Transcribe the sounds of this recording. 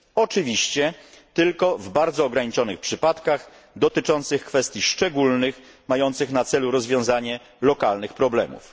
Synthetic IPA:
ɔt͡ʂɘvʲiɕt͡ɕɛ | t̪ɘlkɔvbaɾd̪zɔːɡɾaɲit͡ʂɔnɘxpʂɘpat̪kax | d̪ɔt̪ɘt͡ʂɔnt̪sɘxkfɛst̪ʲjiʂt͡ʂɛɡulnɘx | majɔnt̪sɘxnat̪sɛluɾɔzvʲjɔ̃w̃zaɲɛ | lɔkalnɘxpɾɔblɛ̰mṵf

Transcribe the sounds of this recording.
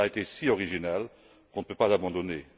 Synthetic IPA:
aet̪esiɔʁiʒinal | kɔ̃nəpøpazabɑ̃d̪ɔne

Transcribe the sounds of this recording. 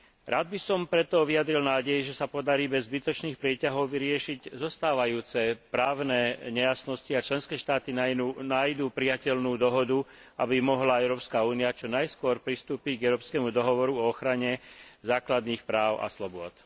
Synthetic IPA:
ɾaːd̪̚bisɔmpɾɛt̪ɔʋiad̪ɾilnaːɟɛjɛʒɛsapɔd̪aɾiːbɛzːbit̪ɔt͡ʃniːxpɾɪɛcaɦɔʊʋiɾɪɛʃiɟzɔst̪aːʋajuːt͡sɛpɾaːʊnɛːɲɛjasnɔsciat͡ʃlɛnskɛːʃt̪aːt̪inaːjd̪uːpɾijacɛlnuːd̪ɔɦɔd̪u | ʔabimɔɦlaɛʊɾɔːpskaːuːniat͡ʃɔnajskʊɔɾpɾist̪uːpiɟɡɛʊɾɔːpskɛmud̪ɔɦɔʋɔɾuɔɔxɾaɲɛzaːklad̪niːxpɾaːʊʔa̰slɔbʊɔt̪

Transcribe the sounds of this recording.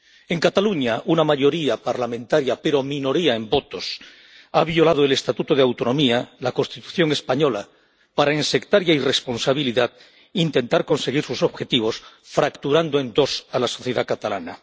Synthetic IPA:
e̞ŋkat̪aluɲaʔunamaʝo̞ɾiapaɾlamẽnt̪aɾjape̞ɾo̞mĩno̞ɾiae̞mbo̞t̪o̞s | aβjo̞lað̞oe̞le̞st̪at̪ut̪oð̞eawt̪o̞nõ̞mialako̞nst̪it̪u̥θjo̞ŋe̞spaɲo̞la | paɾaense̞kt̪aɾjaire̞spo̞nsaβ̞iliðað | int̪e̞nt̪aɾko̞nse̞ɣiɾsuso̞βxe̞t̪iβ̞o̞s | fɾakt̪uɾand̪oe̞nd̪o̞salaso̞θjeðakat̪ala̰na

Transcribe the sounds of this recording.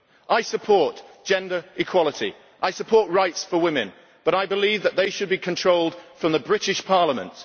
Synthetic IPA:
ʔaɪsəpʰɔˑɹtd̥ʒ̥ɛ̃ndə˞ɪkʰw̥ɒlˠɪtʰḭ | ʔaɪsəpʰɔɹʔɹaɪtsfəwɪ̃mɪ̰̃n | b̥ʌɾaɪbɪliːvðəʔ̪ðeɪʃəd̚bikʰə̃ntʰɹ̥oʊlˠd̥fɹə̃mðəbɹɪtɪʃpʰɑɹləmə̰̃nt

